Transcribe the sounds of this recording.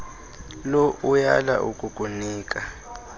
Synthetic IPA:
loʔujala̰ʔukʼukʼuniːkʼa

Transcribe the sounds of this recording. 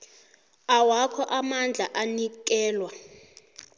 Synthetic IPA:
awakʰɔʔamand͡ɮʱaʔanik̬ɛːlwa

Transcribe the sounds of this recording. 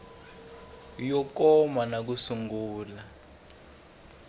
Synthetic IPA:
jɔkɔmanak̬usuŋɡuːla

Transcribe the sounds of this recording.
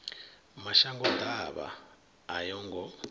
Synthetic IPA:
maʃaŋɡɔt̪aβa̰ː | jɔŋɡɔ

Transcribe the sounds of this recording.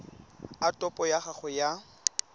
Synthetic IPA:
atʼɔpʼɔjaχaχʊja

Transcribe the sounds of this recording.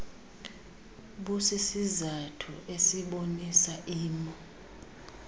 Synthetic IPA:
ɓusisizatʰṵʔesiɓonisaʔiːmɔ

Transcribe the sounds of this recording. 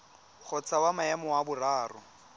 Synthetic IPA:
χʰɔt͡sawamaɛmɔwabʊraːrʊ̰

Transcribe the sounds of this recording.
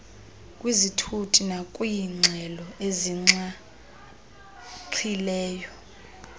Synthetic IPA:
kʼwizitʰutʰʼinakʼujiŋ͡ǀʱɛlɔeziŋ͡ǀa | ǀʰilɛːjɔ

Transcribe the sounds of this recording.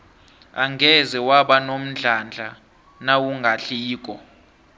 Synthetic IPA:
aŋɡʱɛzɛwaɓanom̩ɮʱand͡ɮʱa | nawuŋɡʱaɬiːkʼɔ

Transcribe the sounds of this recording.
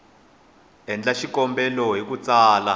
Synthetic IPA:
ɛnd͡ɮaʃikɔmbɛlɔɦikut͡saːla

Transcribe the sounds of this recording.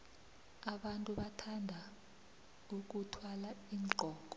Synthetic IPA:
aɓantʼuɓatʰandʱa | uk̬utʰwalaiːŋŋ͡ǃʱɔːk̬ɔ̥

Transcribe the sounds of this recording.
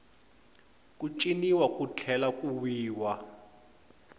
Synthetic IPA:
kʼut͡ʃʼiniwakʼut͡ɬʰɛlakʼuwiːwa

